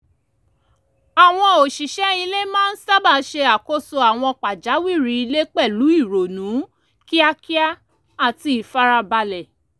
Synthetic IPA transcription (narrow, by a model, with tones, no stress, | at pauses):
a˨w̃ɔ̃˧o˨ʃi˨ʃɛ˨˦i˧le˦mãː˦n̩˦sa˦˨ba˦˧˨ʃe˧a˨ko˦so˧a˨w̃ɔ̃˧k͡pa˨d͡ʒa˨˦wi˦˨ɾi˧˦i˧le˦k͡pɛ˦˨lu˨˦i˦˨ɾo˨nũ˨˦ | ki˦a˧ki˦a˦ | a˦˨ti˧i˨fa˦ɾa˧ba˧lɛ˨